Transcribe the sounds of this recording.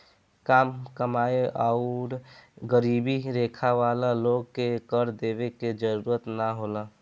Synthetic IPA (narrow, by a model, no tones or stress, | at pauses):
kaːmkəmaːeʔaʊɾɡəɾibiɾekʰaʋalaloɡkekəɾd̪eːbeked͡ʒəɾuɾət̪naɦola